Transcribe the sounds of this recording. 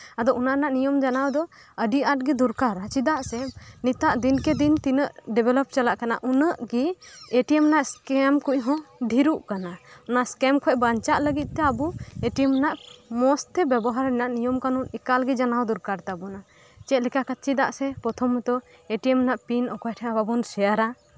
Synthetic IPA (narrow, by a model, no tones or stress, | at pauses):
ad̪ɔʔunaʔnaʔnijɔmd͡ʒanawd̪ɔ | əɖiaʈ̚ɡɛd̪uɾkaɾat͡ʃid̪aʔsɛnit̪aʔd̪inkɛd̪int̪inəʔɖɛbɛlɔp̚t͡ʃalaʔkana̰ʔunəʔɡieʈiɛmnaʔskɛmkucɦɔ̃ɖʱiɾuʔkanaɔnaʔskɛmkʰɔʔbaɲt͡ʃaʔləɡit̪̚ˀt̪ɛabueʈijəmnaʔmɔst̪ɛbjɛbɔɦaɾɛnaʔnijɔmkanunikalɡɛd͡ʒanawd̪uɾkaɾt̪abɔna | t͡ʃɛt̪lɛkakat͡ʃid̪a̰ʔsɛpɾɔt̪ʰɔmɔt̪ɔ | eʈiəmnaʔpinɔkɔjʈʰɛababɔnsɛjaɾa